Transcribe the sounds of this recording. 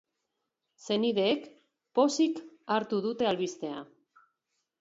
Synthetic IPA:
se̞niðe̞ːk | po̞sikaɾt̪uðut̪e̞alβist̪e̞a̰

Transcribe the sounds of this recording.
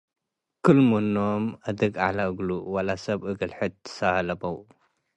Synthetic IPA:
kʰɨlmonomʔɐd̪ɨɡalaɨɡluwɐlasɐbʔɨɡɨlħɨt̪ɨ̥sahlɐbɐw

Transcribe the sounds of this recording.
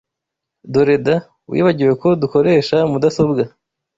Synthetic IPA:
doɾe̞da | wḭːβaɟiɾwe̞ko̞duko̞ɾe̞ːʃamudaso̞bɡa

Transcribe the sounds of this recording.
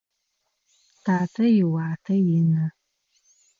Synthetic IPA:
tʰaːtʰɐjɪwaːtʰɐjɪnɐ

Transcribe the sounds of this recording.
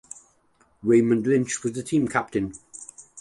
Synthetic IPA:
ɹẽɪmə̃nlɪ̃nt͡ʃwɒzðətʰĩːmkʰap̚tɪ̃n

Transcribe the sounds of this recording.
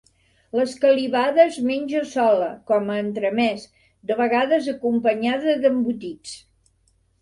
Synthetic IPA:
ləskəliβaðəzmenʲʒəsɔləkɔməːnt̪ɾəmɛs | d̪əβəɣaðəzəkumpəɲaðəðəmbut̪it͡s

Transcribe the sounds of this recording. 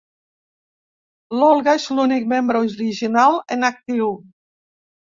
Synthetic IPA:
lɔlˠɣaezlunik̚membɾəuɾiʒinalˠḛnak̚t̪iw

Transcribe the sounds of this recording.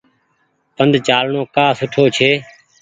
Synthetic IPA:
pənd̪ʱt͡ʃaːlɳoːkaːsʊʈʰoːt͡ʃʰeː

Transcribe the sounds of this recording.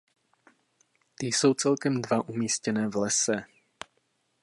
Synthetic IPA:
t̪ɪjso̞wt͡sɛlkɛmdvaʔumiːscɛnɛːvlɛsɛ

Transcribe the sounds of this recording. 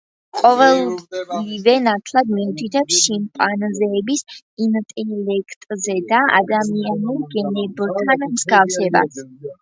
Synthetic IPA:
qʼɔvɛlˠivɛnat̪ʰlˠad̪miut̪ʰit̪ʰɛpsʃimpʼanzɛːbis | int̪ʼɛlɛkʰt̪ʼzɛd̪aa̰d̪amianuɡɛnɛbt̪ʰanmz̥ɡafsɛba̰s

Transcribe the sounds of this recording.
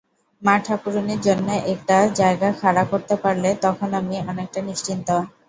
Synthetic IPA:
maʈʰakuɾoniɾd͡ʑonːeʔɛk̚ʈad͡ʑaeɡakʰaɾakoɾt̪epaɾlet̪ɔkʰonamiɔnek̚ʈaniʃt͡ɕint̪o

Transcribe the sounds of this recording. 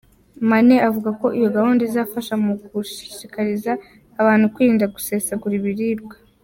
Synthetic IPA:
maneʔavuɡako̞ʔijo̞ɡahuːndezafaʃamuɡuʃi̥ʃikaɾizaː | βaːn̥hukwiːndaɡuse̞seɡuɾiβiɾiːɾɡwḁ

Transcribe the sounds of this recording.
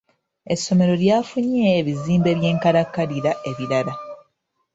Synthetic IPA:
e̞sːo̞me̞ɾo̞ljaːfuɲeːβiziːmbe̞βje̞ːŋkaɾakːaɾiɾaʔe̞βiɾala

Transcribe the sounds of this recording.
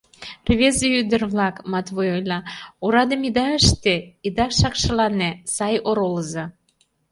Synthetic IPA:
rβezeyd̪ə̆rβlɑkmɑt̪βojojlʲɑoɾɑd̪ə̆mid̪ɑəʃt̪eid̪ɑʃɑkʃɤ̆lɑnesɑjoɾoləzɑ

